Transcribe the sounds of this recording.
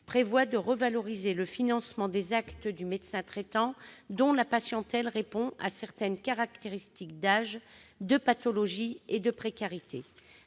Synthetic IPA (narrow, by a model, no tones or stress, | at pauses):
pχevwad̪əʁəvalɔʁizeləfinɑ̃smɑ̃d̪ezakt̪d̪ymed̪sɛ̃t̪χet̪ɑ̃d̪ɔ̃lapasjɑ̃t̪ɛlʁepɔ̃a̰sɛʁt̪ɛnkaʁakt̪eʁist̪ikd̪aʒd̪əpat̪ɔlɔʒied̪əpχekaʁit̪ʰe